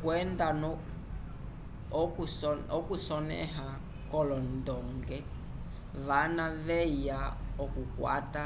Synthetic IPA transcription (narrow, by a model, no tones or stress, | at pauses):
kwɛndanɔ | kuɔkusɔnɛ̰ɦa | kɔlɔndɔŋɡɛ | βanavɛijaɔkukwa̰ta